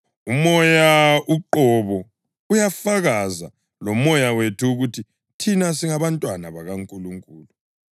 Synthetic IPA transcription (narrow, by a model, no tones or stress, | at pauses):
umɔjauǃɔβɔ | ujafaɣaza̰ | lɔmɔjawetʰuːɣutʰi | tʰinasiŋaβantʼwanaβaɣaŋkʼuluŋkʼuːlu